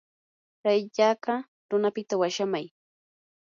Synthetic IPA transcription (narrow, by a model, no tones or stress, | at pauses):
ɾajʎaɢɑ | ɾʊnapɪt̪awaʃamaj